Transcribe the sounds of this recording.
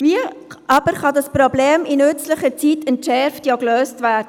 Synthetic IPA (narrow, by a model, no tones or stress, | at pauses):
viəʔɑb̥əɾχɑdɑspɾobleːminʏt͡sləχət͡sitʰɛntʃɛɾftjokløːstvæːd̥ə